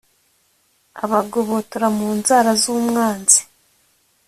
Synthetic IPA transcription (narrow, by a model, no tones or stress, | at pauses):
a̰βaɡoβotoɾamuːnzaːɾazuːmŋaːnzi̥